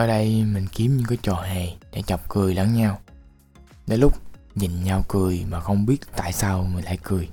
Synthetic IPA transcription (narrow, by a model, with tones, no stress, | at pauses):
ʔəː˨˩ɗə˧jmï˨˩ŋ̟ki˨˦əmɲɨ̰˧ŋkaː˨˦jt͡ɕɔ˨˩ɦɛ˨˩ɗa̰˧˥t͡ɕə˨˩wk͡p̚kɨ˨˩əjla˧˦ŋɲaː˧w | ɗḛ˨˦lʊ˦˥k͡p̚ | ɲï˨˩ŋ̟ɲa˧wkɨ˨˩əjmaː˨˩xə˧wŋ͡mɓi˦˥ət̚t̪a̰ː˧˨jsaː˧wŋɨ˨˩jla̰ː˧˨jkɨ˨˩əj